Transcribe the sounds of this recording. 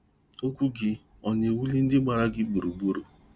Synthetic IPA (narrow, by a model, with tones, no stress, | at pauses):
o˦kʷu˦ɡɪ˦ | ɔ˨ɲe˨wu˦li˦n̩˦dɪ˦ɡ͡ba˨ɾa˦ɡɪ˦ɡ͡bu˨ɾu˨ɡ͡bo˦ɾo˨